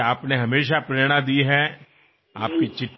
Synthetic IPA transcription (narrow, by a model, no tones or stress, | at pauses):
aːpneɦɐmeːʃ̬apɾeːɽ̃ãd̪iɦɛ | a̰ːp̚kit͡ʃɪʈː